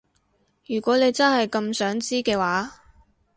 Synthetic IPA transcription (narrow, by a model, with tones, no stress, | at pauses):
jyː˨˩kʷɔː˨˥ne˨˧jt͡sɐ˥nhɐ˨jkɐ˧msœː˨˥ŋt͡siː˥kɛː˧waː˨˥